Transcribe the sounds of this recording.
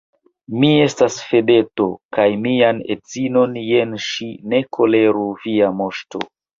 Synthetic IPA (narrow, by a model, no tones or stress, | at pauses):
mie̞stasfe̞de̞to̞kajmianet͡sino̞nje̞nʃine̞kʰo̞le̞ɾuviamo̞ʃto̞̰